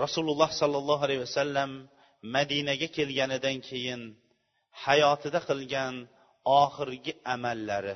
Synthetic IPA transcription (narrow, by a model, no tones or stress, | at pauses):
ɾɒsulˠʊlˠːɑhsɒlˠːɑlˠːɑalajwasalːamː | ad̪inaɡʲakʲʰe̞lɡʲanɪd̪ankʲʰe̞jɪn | hajɒːt̪ʰɪd̪aqʰɨlˠɡʲan | ɒχɨɾɡʲɪʔamalːaɾɪ